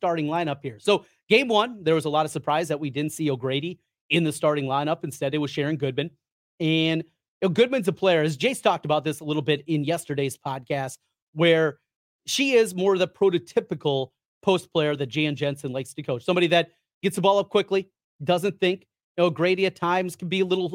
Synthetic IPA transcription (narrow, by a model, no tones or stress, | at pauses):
stɑɹɾɪ̃ŋlãɪ̃ñʌp̚hiɹsoʊ | ɡ̥ẽɪ̃mwʌ̃nðə˞wʌzəlɔɾʌ̥sə˞pʰɹ̥aɪzðɨt̚widɪdⁿn̩tsioʊɡɹeɪɾi | ɪ̃nðɨstɑɹɾɪ̃ŋlãɪ̃ñʌpɨ̃nstɛɾɨt̚wʌz̥ʃɛɹɪ̃ŋɡʊd̚mɨ̃n | ɨ̃n | oʊɡʊd̚mɨ̃nzəpʰl̥eɪə˞ɨzd͡ʒeɪstʰɔk̚təbaʊt̪̚ðɪsəlɪɾl̩ˠbɪɾɪ̃njɛstə˞ɾeɪz̥pʰɑd̚kʰæst | wə˞ | ʃiɪzmɔɹʌðɨpʰɹ̥oʊɾɨtʰɪpɨkl̩ˠ | pʰoʊspʰl̥eɪə˞ðɨt̚d̥ʒ̥eɪ̃nd͡ʒɛ̃nsɨ̃nlaɪkstɨkʰoʊt͡ʃsʌ̃mbɑɾiðɨt̚ | ɡ̥ɛtsɨbɔlˠʌp̚kʰw̥ɪkli | d̥ʌzɨ̃nθɪ̃ŋk | oʊɡɹeɪɾiɨtʰãɪ̃mz̥kʰn̩biəlɪɾl̩ˠ